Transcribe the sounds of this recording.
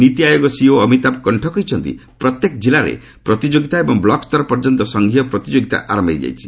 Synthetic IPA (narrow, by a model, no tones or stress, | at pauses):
nit̪iajɔɡɔsioɔmit̪ap̚kɔɳʈʰɔkɔɦjt͡ʃʰɔnt̪ḭpɾɔt̪jekd͡ʒilaɾḛ | pɾɔt̪id͡ʒoɡit̪aebɔŋblɔkst̪ɔɾpɔɾd͡ʒɔnt̪ɔsɔŋɡʱijɔpɾɔt̪id͡ʒoɡit̪a̰ʔaɾɔmba̰jd͡ʒa̰jt͡ʃʰi̥